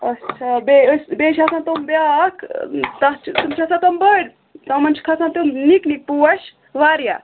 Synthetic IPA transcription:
ɐtːt͡ʃʰabesbeːʃasãnt̪umbjakt̪ɐt͡ʃʰt̪umt͡ʃʰasãt̪ɐmbɐɽʲ | t̪ɐmɐnt͡ʃkʰasãnt̪umniknik̚puwɐʃ | ʋaːɾja̰

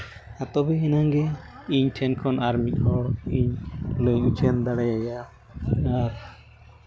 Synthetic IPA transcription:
at̪ɔbɛɦɛnaŋɡɛ | iɲtʰɛnkʰɔnʔaɾmic̚ˀhɔɽiɲləjut͡ʃʰɛnd̪aɽɛaja | aɾ

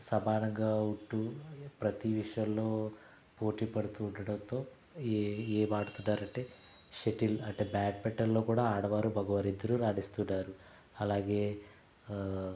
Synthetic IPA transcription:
sɐbaːnɐŋɡaːuɳʈːupɾɐt̪iʋiʂɐjɐmlo̞ː | po̞ːʈiːpɐɽut̪uːɳɖɐɽɐnt̪o̞ː | eːmaːɽut̪unːaːɾɐɳʈe̞ː | ʃeʈilɐɳʈe̞ːbaːʈ̚pɛʈːɐllo̞ːkuːɽaːaːɽɐʋaːɾubʱɐɡɐʋɐɾid̪ːɐɾuɾaːɽist̪unːaːɾu | ɐlaːɡe̞ː

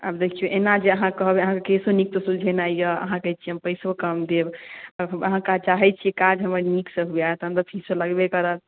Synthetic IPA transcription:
əbd̪ekʰijoʔenad͡ʒeəɦãkəɦbeəɦãkekesonik̚t̪osuld͡ʒʱenajjəə̰ɦãkəjt͡ʃʰiəmpəjsokəmd̪ebəəɦãkat͡ʃaɦɛt͡ʃʰiekad͡ʒɦəməɾniksəɦujaet̪ə̃nd̪əpʰisoləɡbekəɾət̪

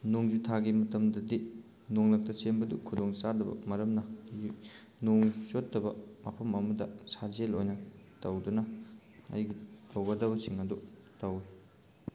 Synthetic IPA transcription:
noŋzutʰaɡimɐtɐmdɐdi | noŋlɐk̚tɐsenbɐdṵkʰudoŋsadɐbɐ̰mɐɾɐmnɐ | noŋsotdɐbɐmɐpʰɐmɐmɐdɐsazelojnɐtɐwdunɐ | ɐ̰jɡitɐwɡɐdɐbɐsiŋɐdu | tɐwi

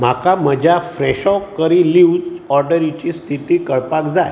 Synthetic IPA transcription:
m̤akaməd͡ʑʱjafɾɛɕɔkːəɾiliud͡zɔɾɖəɾit͡ɕist̪ʰit̪iːkəɭpakd͡zaj

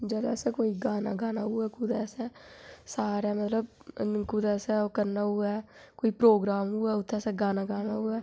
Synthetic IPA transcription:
d͡ʒɛːlɛ̰ːsɛːkoːiːɡaːna̰ːɡaːnaːuːɛːkʊd̪ɛːsɛ̃ːsaːɾaːmət̪ləb | kud̪ɛːsɛ̃ːokəɾnaːuːɛː | koːiːpɾoːɡɾaːmuːɛːʊt̪ʰːɛːsɛ̃ːɡaːnaːɡaːnaːuːɛː

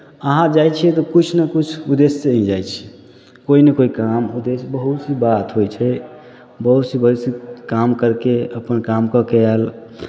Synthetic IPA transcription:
əɦãd͡ʒajt͡ʃʰɛt̪ɔkut͡ʃʰnəkut͡ʃʰud̪esːeəĩd͡ʒajt͡ʃʰɛ̥ | koinekoikamud̪esbəɦut̪sibat̪ɦojt͡ʃʰɛ | bəɦut̪sĩbəɦsikamkəɾkeəpənkamkəkeal

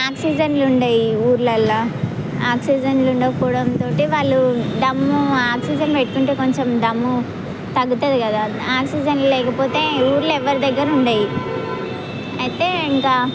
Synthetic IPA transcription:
aːksid͡ʒɐnluɳɖaːjiuːɾlɐlːaː | aːksiːd͡ʒɐnluɳɖɐkɔːɽɐmt̪o̞ːʈiʋaːɭːud̪ɐmːuaːksid͡ʒɐnpeʈːukuɳʈeːko̞ɲt͡ʃemd̪ɐmːu | t̪ɐɡːut̪ɐd̪ikɐd̪aː | aːksid͡ʒɐnlulɛːkɐpo̞ːt̪e̞ːuːɾlɛʋːɐɾid̪ɐɡːɐɾɐuɳɖaːji | ɐjit̪e̞ːiŋkaː

